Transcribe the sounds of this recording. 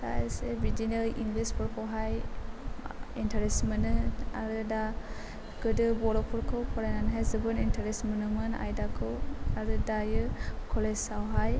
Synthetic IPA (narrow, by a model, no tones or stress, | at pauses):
ta̰esebid͡ʒinɯlʔiŋɡlispʰɔɾkʰɔwɦaj | intʰaɾesmənɯaɾɯda | ɡɯdɯbɔɾɔpʰɔɾkʰɯwkʰɔɾananɦajzɯbɯnintʰaɾesmənɯmɯna̰jdakʰɯwaɾɯdajɯkʰɔlessawɦaj